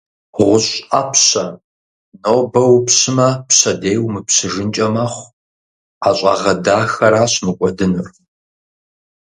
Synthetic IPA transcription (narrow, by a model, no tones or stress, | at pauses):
ʁʷʊɕa̰pʰɕɐ | nowbɐwpsɨmɐpɕɐdeːjwmɨpsɨʒɨnt͡ʃʼɐmɐχʷ | aɕʷʼɑʁɐdaːxɐɾaːɕmɨkʷʼɔdɨnɨr